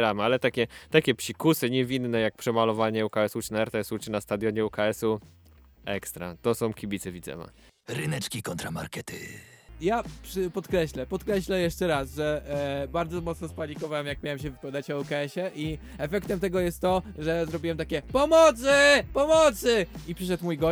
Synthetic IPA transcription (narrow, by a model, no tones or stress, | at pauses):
ɾamɘalɛt̪akʲɛt̪akʲɛpʂikusɘɲɛvʲinːɛjak̚pʂɛmalɔvaɲɛukaɛsut͡ʂnaɛɾt̪ɛɛsut͡ʂɘnast̪ad̪ʲjɔɲɛukaɛsu | ɛkst̪ɾa̰t̪ɔsɔ̃w̃kʲibʲitsɛvʲid̪zɛ̰ma̰ | ɾɨnɛt͡ʂkʲikɔnt̪ɾama̰ɾkɛt̪ʰɪ̰ | japʂɘpɔt̪kɾɛɕlɛpɔt̪kɾɛɕlɛjɛʂt͡ʂɛɾasʐɛbaɾd̪zɔmɔt̪snɔspaɲʲikɔvawɛmjak̚mʲjawɛmɕ̬ɛvɨpad̪at͡ɕɔukaɛɕɛʔi | ɛfɛkt̪ɛmt̪ɛɡɔjɛst̪ːɔʐɛzɾɔbʲiwɛmt̪akʲɛpɔmɔt̪sɘpɔmɔt̪sɘipʂɘʂ̬ɛt̪mujɡɔ